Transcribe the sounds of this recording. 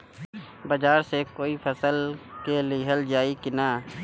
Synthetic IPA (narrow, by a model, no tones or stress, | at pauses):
bəd͡ʒaːɾsekoːipʰəsəlkeliiɦəld͡ʒaːikɪnaː